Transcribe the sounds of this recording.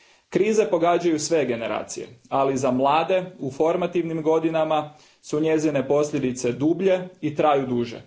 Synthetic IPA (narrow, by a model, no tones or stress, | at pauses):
kɾiːze̞po̞ɡaːd͡ʑajusʋe̞ɡe̞ne̞ɾa̰ːt̪sije̞̰alizamlˠaːd̪e̞ufo̞ɾmat̪iʋnimɡo̞d̪inama | suɲe̞zine̞po̞sʎʲe̞d̪it̪se̞d̪ubʎe̞it̪ɾaːjud̪uːʒḛ